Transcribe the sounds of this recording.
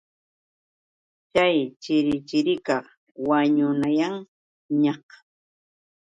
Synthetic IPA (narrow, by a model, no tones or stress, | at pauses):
t͡ʃajt͡ʃɪɾɪt͡ʃɪɾɪkɑχ | waɲʊnajaŋ | ɲɑq